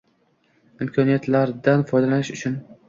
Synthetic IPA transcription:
ɪmkʰɒnijat̪laɾd̪anfɒjd̪alanɪʃʊt͡ʃʰʊn

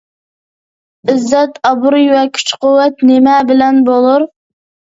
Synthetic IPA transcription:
ɪzːɛt̪ɑbuɾijwɛkʲʰy̥t͡ʃqʰowːɛt̪nemɛbɪlɛnbolˠuɾ

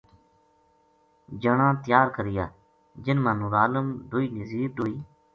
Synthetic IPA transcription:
d͡ʒəɳãːt̪ɪjaːɾkəɾɪjaː | d͡ʒɪnmãːnũːɾaːləmɖʊiːnəziːb̚ɗoːiː

